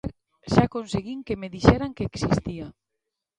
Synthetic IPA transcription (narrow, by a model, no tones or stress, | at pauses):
ɾ | ʃakonseɣiŋkemeðiʃɛɾaŋkeksist̪ia